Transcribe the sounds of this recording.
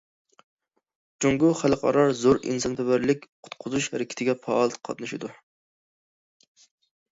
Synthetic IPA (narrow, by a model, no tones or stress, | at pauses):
t͡ʃoŋɡʊχælˠqʰɑ̰ɾɑɾzoɾḭnsɑnp̪ʰɛbæɾlɪk̚ʲqʰʊ̥t̪̚qʰʊzuʃhæɾɪkʲʰɪ̥t̪ʰɪɡʲɛpʰɑːlˠt̪qʰɑ̰t̪̚nɨʃɪd̪u